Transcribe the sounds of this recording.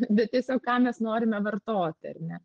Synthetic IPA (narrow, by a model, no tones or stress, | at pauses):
bʲɛt̪̚t̪ʲiɛsʲoːkkɑːmʲɛsnoːɾʲɪmʲɛʋɐrt̪oːt̪ʲɪɐ̰rʲnʲɛ